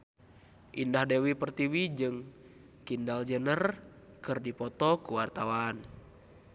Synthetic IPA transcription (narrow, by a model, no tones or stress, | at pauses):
ʔindahdɛwipərt̪iwid͡ʒɨŋ | kindald͡ʒənər | kɨrdipɔt̪ɔkuwart̪awan